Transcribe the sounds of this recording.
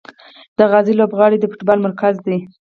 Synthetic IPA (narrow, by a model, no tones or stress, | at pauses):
d̪̥əɣɑzilobɣɑɽid̪əfʊʈbɑlmaɾkazd̪i